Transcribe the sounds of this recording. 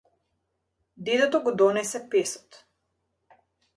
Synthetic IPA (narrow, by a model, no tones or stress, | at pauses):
d̪id̪ɛt̪ɔɡɔd̪ɔnɛsɛpɛsɔ̥t̪